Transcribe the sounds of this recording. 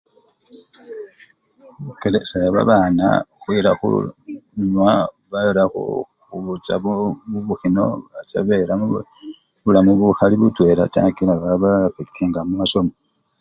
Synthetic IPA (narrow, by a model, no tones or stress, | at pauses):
ukelesajaβa̰βaːna̰oxwiːɾaxṵɲwa | βalaxo̰ | xuβut͡saββuβuxino̞̰βata̰βeɾamu | βulamuβuxaliβutwe̞ːɾata̰kilaβaβafeki̥tʰiŋɡamumaso̞mo